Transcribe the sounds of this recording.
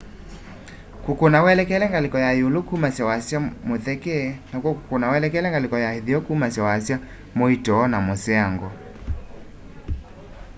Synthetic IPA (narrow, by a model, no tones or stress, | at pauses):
kukonawɛlɛkɛlɛŋɡalekɔjajolokumasjawasjamoθɛkɛnakwɔku̥konawɛlɛkɛlɛŋɡalɪkɔjaheðiɔkumasjawasja | moitɔːnamosɛaŋɡɔ